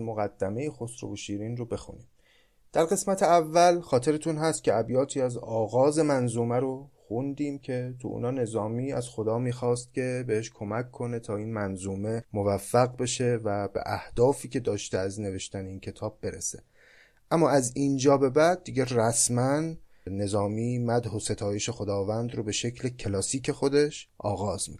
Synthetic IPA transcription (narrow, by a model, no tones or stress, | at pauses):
moɣæd̪ːæme̞jexosɾo̰voʃiːɾiːnrobe̞xṵniːm | d̪̥æɾɣe̞smæt̪ʰeævːælxɒːt̪ʰe̞ɾet̪ʰunɦæst̪̚kcʰe̞æbjɒːt̪ʰiːæzɒːɣɒːze̞mænzuːmæɾoxund̪iːmcʰe̞t̪ʰṵʔṵnɒːne̞zɒːmiːæz̥xo̞d̪ɒːmiːxɒːst̪̚cʲʰe̞be̞he̞ʃkʰo̞mækʰːo̞ne̞t̪ʰɒːiːnmænzuːme̞movæfːæɣbe̞ʃe̞væbḛʔæhd̪̥ɒːfiːcʲʰe̞d̪ɒːʃt̪eæzne̞ve̞ʃt̪æne̞iːncʰe̞t̪ʰɒːb̚ːe̞ɾḛse | ʔæmːɒːæziːnd͡ʒɒːbe̞bæd̪̚dːiɟeræsmæn | ne̞zɒːmiːmæd̪ɦose̞t̪ʰɒːjeʃe̞xo̞d̪ɒːvænd̪robe̞ʃecʰlecʰelɒːsiːcʰe̞xo̞d̪e̞ʃʔɒ̰ːɣɒːz̥mik